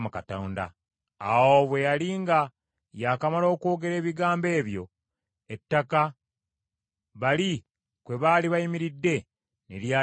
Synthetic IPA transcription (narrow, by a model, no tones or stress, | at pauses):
mukatoːnda̰ | a̰woβwe̞jaliːŋɡa | jakamalo̞ːko̞ːɡe̞ɾe̞ːβiɡaːmbe̞ːβjo̞̰ | etːaka | βali | kwe̞βaːliβajimiɾidːe̞ | nelja